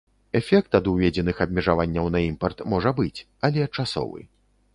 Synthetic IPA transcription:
ɛfʲɛk̚t̪ɐd̪uvʲɛd͡zʲɛnɨxɐbʲmʲɛʐavanʲːɐwnɐimpɐrt̪mɔʐɐbɨt͡sʲ | ɐlʲɛt͡ʂasɔ̰vɨ̰

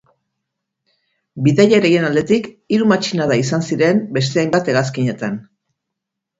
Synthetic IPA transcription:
biðajaɾeɣenald̪e̞t̪ik | iɾumat͡ʃinaðaisansiɾe̞mbe̞st̪e̞ajmbat̪e̞ɣaskiɲe̞t̪an

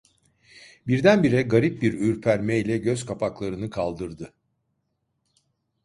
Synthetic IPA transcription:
biɾd̪ænbiɾɛɡaɾip̚biɾyɾpʰæɾmɛjlʲɛɟøzkʰapʰaklˠaɾɯnɯkʰalˠd̪ɯɾd̪ɯ

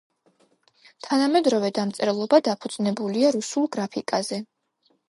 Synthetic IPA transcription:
t̪ʰanamɛd̪ɾɔvɛd̪amt̪sʼɛɾɛlˠɔbad̪apʰud̪z̥ʼnɛbuliaɾusulˠɡɾapʰikʼazɛ

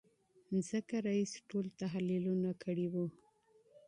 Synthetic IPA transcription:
nzəkaɾaisʈolt̪aɦlilunakʰəɽiwu

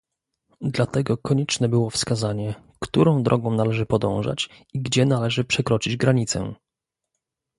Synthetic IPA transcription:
d̪lat̪ɛɡɔkʰɔɲɛt͡ʂnɛbɘwɔfskazaɲɛ | kt̪uɾɔ̃w̃d̪ɾʔɔɡɔ̃w̃nalɛʐɘpɔd̪ɔ̰̃w̃ʐa̰t͡ɕ | iɡd͡ʑɛnalɛʐɘpʂɛkɾɔt͡ʂid͡ʑɡɾaɲit̪sɛ̰

